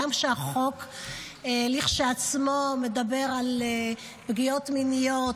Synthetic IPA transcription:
amʃeaχo̞k | eliχʃeat͡smomedabe̞ʁal | bɡio̞tminijo

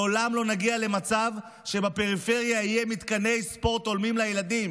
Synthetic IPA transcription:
olamlo̞naɡiale̞mat͡sav | ʃe̞bape̞ʁife̞ʁjaijemit̪kane̞jspo̞ʁt̪o̞lmimlajelad̪im

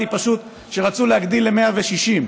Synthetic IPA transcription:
ipaʃut̪ | ʃe̞ʁat͡sulehaɡd̪ilːemeaveʃiʃim

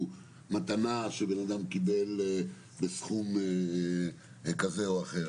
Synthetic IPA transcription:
mat̪anaʃebenad̪amkibe̞l | besχum | kazeoaχe

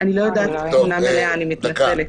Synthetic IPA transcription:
aɽ̃iləd̪asnameleanimit̪nəele

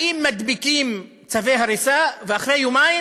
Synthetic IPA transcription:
imːad̪bikim | t͡savejɦaɾisaveaχɾejomaj

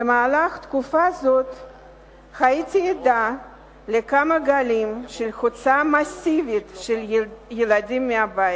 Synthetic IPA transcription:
bemaːlaχt̪kufazot̪ | χaitʲied̪a | lekamɐɡalimʃelxot͡samasivit̪ʃeljelad̪imːeabajt

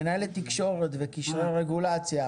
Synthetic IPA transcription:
najlet̪ikʃo̞ʁet̪vekiʃʁeʁeɡulat͡sja

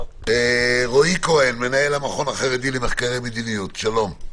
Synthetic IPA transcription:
eʁoiko̞enmenae̞lamaχo̞naχeʁed̪ilemeχkaʁejmed̪inijut̪ʃalo̞m

